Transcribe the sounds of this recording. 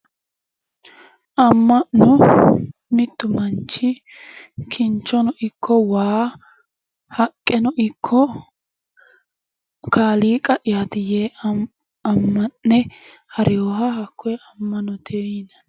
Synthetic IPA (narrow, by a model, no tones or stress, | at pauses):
ʔɐmːɐnːɔ | mɪt̪ːʊmɐnt͡ʃːɪ | kʰɪnt͡ʃːɔnɔʔɪkʰːɔwaː | hɐkʼːɛnɔʔɪkʰːɔ | kaːliːkʼɐʔɪjaːt̪ɪjeː | ɐmːɐnːɛ | hɐɾʔɪjoːɦɐɦɐkʰːɔjɛɐmːɐnɔt̪eːjɪnɐn